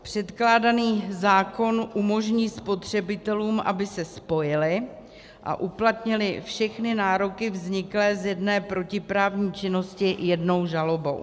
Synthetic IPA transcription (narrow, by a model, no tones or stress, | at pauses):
pr̝̥ɛt̪klaːdaniːzaːko̞nʔumo̞ʒɲiːspo̞t̪r̝̥ɛbɪt̪ɛluːmʔa̰bɪsɛspo̞jɪlɪ | ʔa̰ʔuplat̪ɲɪlɪfʃɛxnɪnaːɾo̞kɪvzɲɪklɛːzjɛdnɛːpɾo̞cɪpɾaːvɲiːt͡ʃɪno̞scɪjɛdno̞wʒalo̞bo̞̰w